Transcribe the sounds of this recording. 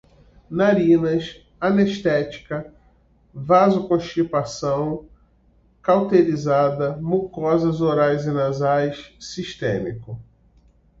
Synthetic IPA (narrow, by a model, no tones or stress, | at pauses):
naɾĩnɐs | ɐneʃt̪ɛt͡ʃi̥kɐ | vazʊkõʃt͡ʃipasɐ̃w̃ | kawt̪elizad̪ɐmukɔzɐzoɾajzinazajssiʃt̪ḛ̃mikʊ